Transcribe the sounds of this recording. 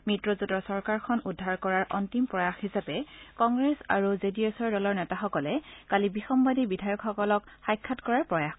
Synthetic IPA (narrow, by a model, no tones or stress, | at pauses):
mitɹɔzutɔsɔɹkaɹkʰɔnudʱːaɹkɔɹaɹʔɔntimpɹɔjaxhisapɛkɔŋɡɹesa̰ɹuzediesɔɹdɔlɔɹnɛtaxɔkɔlɛkalibixɔmbadibidʱajɔkxɔkɔlɔk | xajkʰːatkɔɹaɹpɹɔjax